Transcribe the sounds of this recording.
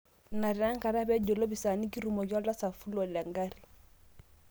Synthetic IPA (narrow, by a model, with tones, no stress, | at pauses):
na˨ɾa˦ŋ˦ka˨ɾa˦bɛ˦ɟo˨lo˦bi˨sa˨ni˦ki˦ɾu˨mo˨ɡɔ˦la˦sa˨fu˦lo˨lɛ˨ŋɡa˦ɾi˨